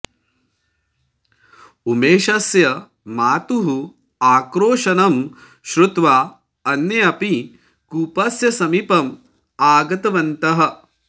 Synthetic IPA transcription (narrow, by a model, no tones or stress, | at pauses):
umeːʃɐsjɐ | maːt̪uɦu | aːkɾoːʃɐnɐm | ʃɾut̪ʋaː | ɐnːeɐpi | kuːpɐsjɐsɐmipɐm | aːɡɐt̪ɐʋɐnt̪ɐɦɐ̆